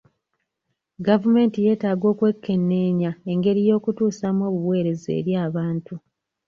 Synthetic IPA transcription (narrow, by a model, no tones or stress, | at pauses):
ɡavume̞ːntije̞ːtaːɡo̞ːkwe̞kʰːe̞nːe̞ːɲae̞ŋɡe̞ɾijo̞ːkutuːsamo̞ːβuβwe̞ːɾe̞zḛːɾjaːβaːntu